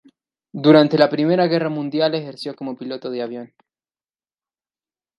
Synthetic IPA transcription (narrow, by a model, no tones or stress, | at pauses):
d̪uɾant̪e̞lapɾime̞ɾaɣe̞ramũnd̪jale̞xe̞ɾsjo̞ko̞mo̞pilo̞t̪o̞ðeaβjo̞n